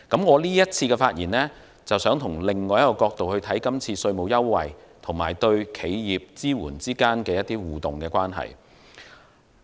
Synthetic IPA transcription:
kɐ˨˥mŋɔː˨˧liː˥jɐ˥t̚t͡sʰiː˧kɛ˧faː˧t̚jiː˨˩nlɛː˥ | t͡sɐ˨wsœː˨˥ŋt̪ʰʊ˨˩ŋlɪ˨ŋːɔː˨˧jkːɔː˧kɔː˧k̚t̪o˨whɵ˧ɥt̪ʰɐ˨˥jkɐ˥mt͡sʰiː˧sɵ˧ɥmo˨˧wjɐ˥wwɐ̰˨jt̪ʰʊ˨˩ŋmaː˨˩jt̪ɵ˧ɥkʰe˨˧jjiː˨p̚t͡siː˥wṵː˨˩nt͡siː˥kaː˥nkɛː˧jɐ˥t̚t̪iː˥wuː˨˩t̪ʊ˨˩ŋkɛː˧kwaː˥nɦɐ̰˨j

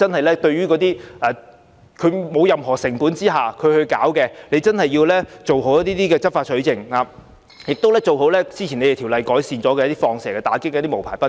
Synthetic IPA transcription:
t͡sɐ˥nhɐ˨jlɛː˥t̪ɵ˧ɥyː˥kɔː˨˧t̪iː˥ʔɛː˨ | kʰɵ˨˧mo˨˧wjɐ˨mɦɔː˨˩sɪ˨˩ŋpuː˨˥nt͡siː˥ɦaː˨kʰɵ˨˧ɥhɵ˧ɥka̰ː˨˥wkɛː˧ne˨˧jt͡sɐ˥nhɐ˨jːiː˧wlɛː˥t͡so˨wɦo˨˥wjɐ˥t̪iː˥t̪iː˥kɛː˧t͡sɐ˥t̚faː˧sʰɵ˨˥ɥt͡sɪ˨ŋhaː˨˧ | jɪ˨k̚t̪o˥wlɛː˥t͡so˨wɦo˨˥wlɛː˥t͡siː˥t͡ɕʰi˨˩ne˧jt̪ʰːwlɐ˨˧jkɔː˨˥jsiː˨nt͡sɔː˨˥kɛ˧jɐ˥t̪iː˥fɔː˧ŋsɛː˨˩kɛː˧t̪aː˨˥kɪ˥kɛ˧˦t̪iː˥mo˨˩pʰaː˨˩jpɐ˥

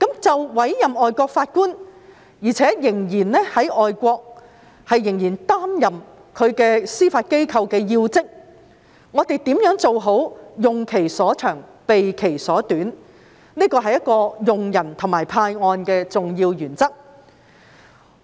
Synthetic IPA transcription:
kɐ˨˥mt͡sɐ˨wwɐ˨˥jjɐ˨˩mɔː˨jkʷɔː˧k̚faː˧t̚kuː˥n | jiː˨˩t͡sʰɛː˨˥jɪ˨˩ŋjiː˨˩nnɛː˥hɐ˨˥jʔɔː˨jkʷɔː˧k̚ | hɐ˨jːɪ˨˩ŋjiː˨˩nt̪aː˥mjɐ˨m | kʰɵ˨˧ɥkɛː˧siː˥faː˧t̚ke˥jkʰɐ˧wkɛː˧jiː˧wt͡sɪ˥k̚ | ŋɔː˨˧t̪e˨jt̪iː˨˥mjœː˨˥ŋt͡so˨wɦo˨˥wjʊ˨ŋkʰe˨˩jsɔː˨˥t͡ʃʰœː˨˩ŋpe˨jkʰe˨˩jsɔː˨˥t̪yː˨˥n | niː˥kɔː˧ɦɐ˨jɐ˥t̚kɔː˧jʊ˨ŋjɐ˨˩nt̪ʰʊ˨˩maː˨˩jpʰaː˧jŋɔː˧nkɛː˧t͡sʊ˨ŋjiː˧wjyː˨˩nt͡sɐ˥k̚

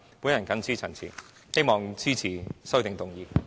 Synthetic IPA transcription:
puː˨˥njɐ˨˩nkɐ˨˥nt͡sʰiː˥t͡sʰɐ˨˩nt͡sʰḭ˨˩ | he˥jmɔː˨˩ŋt͡sʰiː˥t͡sʰiː˨˩sɵ˥t̪ɪ˨ŋt̪ʊ˨ŋjiː˨˧

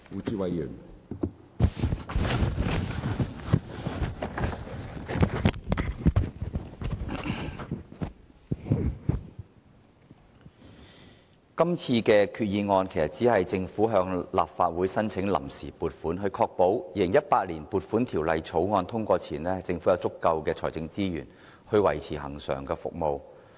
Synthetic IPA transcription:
uː˨˧t͡siː˧wɐ˨jjy̰˨˩n | kɐ˥mt͡sʰiː˧kɛː˧kʰyː˧t̚jiː˧ŋɔː˧nkʰe˨˩jsɐ˨t̚t͡siː˨˥hɐ˨jt͡sɪ˧ŋfuː˨˥ɦœː˧ŋla̰ː˨p̚faː˧t̚wuː˨˥jsɐ˥nt͡sʰɪ˨˥ŋlɐ̰˨˩msḭː˨˩puː˨t̚fuː˨˥nɦɵ˧ɥkʰɔː˧k̚po˨˥wjiː˨˧lɪ˨˩ŋjɐ˥t̚paː˧t̚liː˨˩npuː˨t̚fuː˨˥nt̪ʰi˨˩wlɐ˨jt͡sʰo˨˥wŋɔː˧nt̪ʰʊ˥ŋkʷɔː˧t͡sʰiː˨˩nɛː˥hjt͡sɪ˧ŋfu˨˥jɐ˧wt͡sʊ˥kːɐ˧wkɛː˧t͡ʃʰɔː˨˩jt͡sɪ˧ŋt͡siː˥jyː˨˩n | hɵ˧ɥwɐ˨˩jt͡sʰiː˨˩hɐ̰˨˩ŋsœ̰ː˨˩ŋkɛː˧fʊ̰˨k̚mo˨˧w

